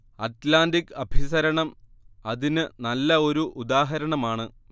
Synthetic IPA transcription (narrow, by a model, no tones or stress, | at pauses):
ɐtlaːndikːɐbʱisɐɾɐɳɐm | ɐðinɨnɐlːɐo̞ɾuʔud̪aːɦɐɾɐɳɐmaːɳɨ